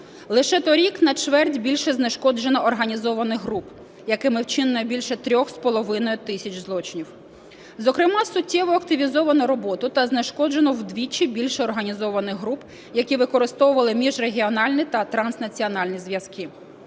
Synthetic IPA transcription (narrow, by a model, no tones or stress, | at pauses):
lˠɪʃɛt̪ɔɾʲiknɐt͡ʃʋɛrdʲbʲilʲʃɛzneʃkɔd͡ʒenɔːrɦɐnʲizɔʋɐnɪxɦɾup | jɐkɪmɪwt͡ʃɪnnɐjbʲilʲʃɛt̪ɾʲɔxspɔlˠɔʋɪnɔjʊt̪ɪsʲɐt͡ʃzlˠɔt͡ʃɪnʲiw | zɔkɾɪmɑsʊtʲːɛʋɔɐkt̪ɪʋʲizɔʋɐnɔɾɔbɔt̪ʊt̪ɐznɪʃkɔd͡ʒenɔwd̪ʋʲit͡ʃibʲilʲʃɛɔrɦɐnʲizɔʋɐnɪxɦɾup | jɐkʲiʋɪkɔɾɪst̪ɔwʊʋɐlˠɪmʲiʒreɦʲiɔnɑlʲnɪt̪ɐt̪ɾɐnsnɐt͡sʲiɔnɑlʲnʲijzʋjɐskɪ